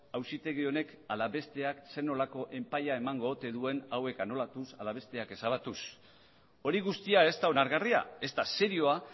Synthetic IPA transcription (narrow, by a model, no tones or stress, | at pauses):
awsit̪e̞ɣio̞ne̞kalaβe̞st̪e̞akse̞no̞lako̞ʔe̞mpajae̞maŋɡo̞ːt̪e̞ðue̞nawe̞kano̞lat̪usalaβe̞st̪e̞ake̞saβ̞at̪us | o̞ɾiɣ̞ust̪iae̞st̪aonaɾɣaria̰e̞st̪ase̞ɾio̞a